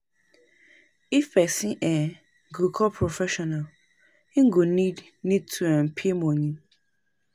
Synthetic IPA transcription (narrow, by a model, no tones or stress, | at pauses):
ifbɛsĩʔɛ̃ | ɡukʰɔpʰɾofɛʃɔnal | ĩŋ̩ɡunĩd | nĩd̚tʰuɛ̃m̩pʰimɔ̃ɲĩ